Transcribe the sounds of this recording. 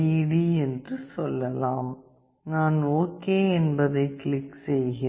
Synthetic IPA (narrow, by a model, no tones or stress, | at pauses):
iːɽiɛndrɯsɔlːɐlaːm | naːnoːkeːɛnbɐðɐɪkɪlɪkːsɛjɣɪ